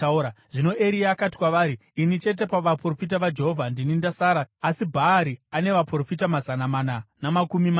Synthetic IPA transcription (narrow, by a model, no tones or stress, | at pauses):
uɾaʐino̞ʔeɾiaːkati̥kwaʋaːɾi | init͡ʃe̞t̬e̞paʋapro̞fit̬aʋad͡ʒe̞ɦovʱandinindasaːɾaːsibʱaːɾiane̞ʋapro̞fitamazanamaːnanamakumima